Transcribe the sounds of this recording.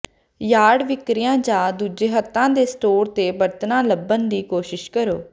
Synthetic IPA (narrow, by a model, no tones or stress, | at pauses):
jaːɖʋɪkɾɪjãːd͡ʒãːd̪uːd͡ʒeːɦət̪ːãːd̪eːsʈoːɾt̪eːbəɾt̪nãːləbənd̪iːkoːʃɪʃkəɾoː